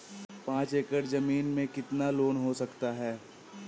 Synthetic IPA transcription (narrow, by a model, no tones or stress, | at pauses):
pãːt͡ʃeːkəɾzɐmiːnmẽkɪt̪naloːnɦosɐkt̪aɦɛː